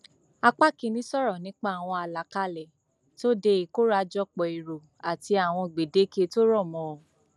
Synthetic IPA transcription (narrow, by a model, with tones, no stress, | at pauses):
a˧k͡pa˦˨kĩ˨˧nĩ˨˦sɔ˦ɾɔ˨nĩ˨˦k͡pa˦˨w̃ɔ̃˧a˨la˨ka˧˦lɛ˨ | to˦de˧i˨ko˦ɾa˧˦d͡ʒɔ˦k͡pɔ˨i˨ɾo˨ | a˨ti˧a˨w̃ɔ̃˧˨ɡ͡be˨de˨˦ke˧to˦ɾɔ˦˨mɔ̃˨o˨